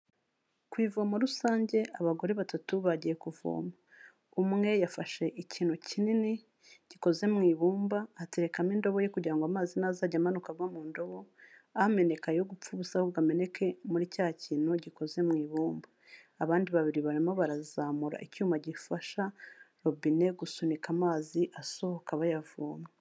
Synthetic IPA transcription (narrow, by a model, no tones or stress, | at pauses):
kwiːvoːmaɾusaːɲɟe̞ʔaβaɡo̞ɾe̞βatatuβaɟiɾe̞kuvo̰ma | umŋe̞jafaʃe̞ʔiciːn̥hucinini | ɟ̥iko̞ze̞mŋiːβuːmbaːtiɾe̞kamindo̞βo̞jekuɟiɾaŋɡoamaːzinazaːɟamanukaɡwamuːndo̞βo̞ame̞ne̞kajo̞ɡup͡fuβuzahoβɡame̞ne̞kʰe̞muɾicaːhaciːnhuɟiko̞ze̞mŋiːβuːmbaː | βaːndiβaβiɾiβaɾimaβaɾazaːmuɾa̰ʔicuːmaɟifaʃaɾo̞bine̞ɡusunikamaːziʔasohokaβajavo̰ːma